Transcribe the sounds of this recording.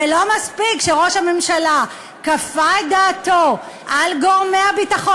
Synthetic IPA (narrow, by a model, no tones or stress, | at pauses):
elo̞maspikʃeʁo̞ʃhame̞mʃala | kafajdaːto | ʔalɡoʁme̞habitaχo